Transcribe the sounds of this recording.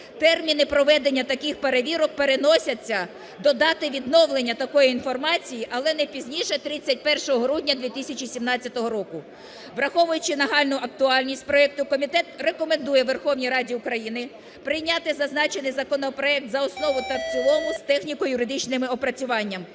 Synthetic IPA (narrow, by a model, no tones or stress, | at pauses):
t̪ɛrmʲinɪpɾɔʋɛd̪enʲːɐt̪ɐkɪxpeɾeʋʲiɾɔk̚peɾenɔsʲɐt͡sʲːɐ | d̪ɔd̪ɑt̪ɪʋʲid̪nɔwlˠenʲːɐt̪ɐkɔjiinfɔrmɑt͡sʲijiʔɐlˠɛnɛpʲizʲnʲiʃɛt̪ɾɪt͡sʲːɐt̚ʲpɛrʃɔɦɔɦɾudʲnʲɐd̪ʲʋʲit̪isʲɐt͡ʃisʲimnɑt͡sʲːɐt̪ɔɦɔɾɔkʊ | ʋɾɐxɔʋʊjʊt͡ʃɪnɐɦɑlʲnʊʔɐk̚t̪ʊɑlʲnʲisʲt̚ʲpɾɔɛk̚t̪ʊkɔmʲit̪ɛt̪rekɔmend̪ujɛʋerxɔwnʲijɾɑdʲiʊkɾɐjinɪ | pɾɪjnʲɑt̪ɪzɐznɑt͡ʃenɪjzɐkɔnɔpɾɔɛk̚t̪zɐɔsnɔʋʊt̪ɐwt͡sʲilˠɔmʊst̪ɛxnʲikɔjʊɾɪd̪ɪt͡ʃnɪmɪɔpɾɐt͡sʲʊʋɑnʲːɐm